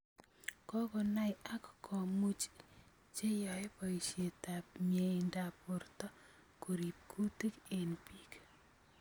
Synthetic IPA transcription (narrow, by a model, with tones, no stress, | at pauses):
kɔ˦kɔ˨na˦ja˦kkʰɔ˨mu˦t͡ʃ | t͡ʃe˦jɔ˨e˦pɔ˨i˨ʃe˨ta˨pmje˨ɪ˨nda˨pʊ˨rtɔ˦ | ku˨ɾi˨p̚kʰu˦ti˦ke˨npiː˨k